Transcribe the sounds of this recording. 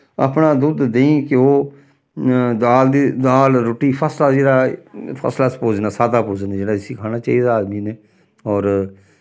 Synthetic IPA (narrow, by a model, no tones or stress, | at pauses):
a̰pnaːd̪ud̪ːeĩːkɪoː | d̪aːld̪id̪aːlɾoːʈiːpʰəslaːd͡ʒeːɽaːpʰə̰slaːspoːd͡ʒnaːsaːd̪aːpoːd͡ʒnaːd͡ʒeːɽaːɪsiːkʰaːnaːt͡ʃa̰ːiːd̪aaːd̪miːneː | ɔːɾ